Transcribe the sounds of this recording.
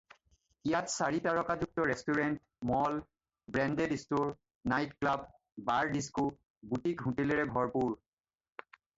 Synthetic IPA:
ijatsaɹitaɹɔkazuk̚tɔɹestuɹɛnt | mɔl | bɹɛndedistoɹ | najtklab | baɹdisku | butikɦũteleɹɛbʱɔɹpuɹ

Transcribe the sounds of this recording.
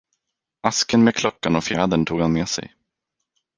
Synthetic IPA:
askənmeːkʰlɔkːanɔfːd̪ənt̪ʰuːɡhanmeːsɛ̰j

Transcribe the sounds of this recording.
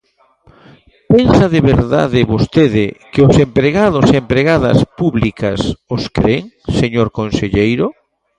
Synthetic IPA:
pensɐðeβeɾða̰ðɪβost̪eðɪkɪʊsempɾeɣaðʊsempɾeɣaðɐ̰spuβlikɐsoskɾeŋseɲoɾkonseʎejɾʊ

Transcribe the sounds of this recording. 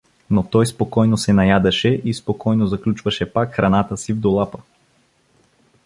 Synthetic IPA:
not̪ɔjspokɔjnosɛnɐjad̪ɐʃɛʔispokɔjnozɐklʲut͡ʃvɐʃɛpakxɾanat̪əsivd̪olˠapə

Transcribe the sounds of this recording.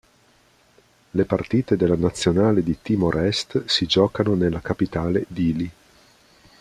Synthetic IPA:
lepart̪iːt̪ed̪elːanat̪sːjonaːled̪it̪imoɾʔɛst̪sid͡ʒɔːkanonelːakapit̪aːled̪iːli

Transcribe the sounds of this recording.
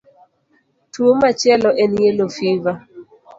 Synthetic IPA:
tʰuomat͡ʃɛlɔʔɛnelofiva

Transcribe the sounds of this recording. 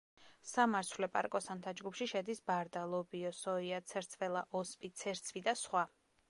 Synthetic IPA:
samaɾsʰvlɛpʼa̰ɾkʼɔsant̪ʰad͡ʒɡupʰʃiʃɛd̪isbaɾd̪alˠɔbiɔsɔiat̪sʰɛɾt̪sʰvɛlˠaʔɔspʼit̪sʰɛɾt̪sʰvid̪asχwa

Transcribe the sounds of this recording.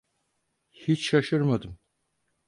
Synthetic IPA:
hit͡ʃʃaʃɯɾmad̪ɯm

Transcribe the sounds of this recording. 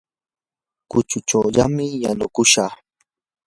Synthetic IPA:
kʊt͡ʃʊt͡ʃawʎamɪjanʊkʊʃɑχ

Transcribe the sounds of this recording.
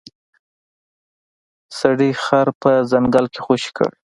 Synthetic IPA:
saɽixaɾpəzaŋɡalke̥xoʃi̥kə̰ɽ

